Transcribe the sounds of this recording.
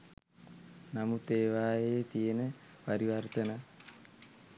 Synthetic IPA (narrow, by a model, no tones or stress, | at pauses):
namut̪eːʋaːjeːt̪ijənə | paɾiʋart̪ənə